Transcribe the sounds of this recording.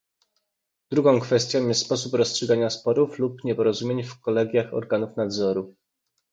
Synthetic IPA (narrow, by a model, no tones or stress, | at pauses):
d̪ɾuɡɔ̃w̃kfɛst̪ʲjɔ̃w̃jɛst̪spɔs̬upɾɔstʂɘɡaɲaspɔɾuflupɲɛpɔɾɔzumʲjeɲfkɔlɛɡʲjaxɔ̰ɾɡanufnad̪zɔɾu